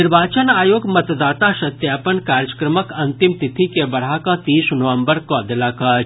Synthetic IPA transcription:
ɪɾbaːt͡ʃənaːjoːɡmɐt̪d̪aːt̪aʃɐt̪jaːpənkaːɾjəkɾəməkɐ̃nt̪ɪmt̪ɪt̪ʰikebɐɽ̤akat̪iːsnoʋə̃mbəɾkɔːd̪laka

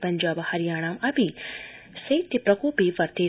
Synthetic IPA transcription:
pɐɲʲd͡ʒaːbhɐɾijaːɳ̃aːmɐbi | sɐt̪ːipɾɐkoːpiːʋɐɾt̪eː

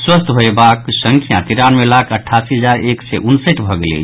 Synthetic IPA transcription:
swəst̪ʰɦoebaksə̃ŋkʰjãt̪iɾanmelakʰəʈʰːasiɦəd͡ʒaɾeksɛʔunsəʈbʱəɡelḛ

